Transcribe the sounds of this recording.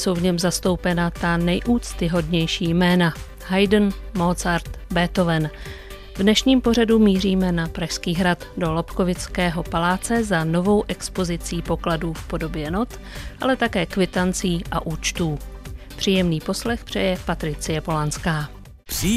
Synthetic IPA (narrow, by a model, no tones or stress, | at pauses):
so̞wvɲɛmzast̪o̞wpɛnat̪anɛjʔuːt͡st̪ɪɦo̞dɲɛjʃiːjmɛːna | ɦajdn̩molt͡saɾt̪bɛt̪o̞vɛn | vdnɛʃɲiːmpo̞radumiːriːmɛnapɾaʃskiːɦɾat̪do̞lopko̞vɪt͡skɛːɦo̞palaːt͡sɛzano̞vo̞wʔɛkspo̞zɪt͡siːpo̞kladuːfpo̞do̞bjɛno̞t̪ | ʔalɛt̪akɛːkvɪt̪ant͡siːʔaʔuːt͡ʃt̪uːpr̝̥iːjɛmniːpo̞slɛxpr̝̥ɛjɛpat̪ɾɪt͡sɪjɛpo̞lanskaː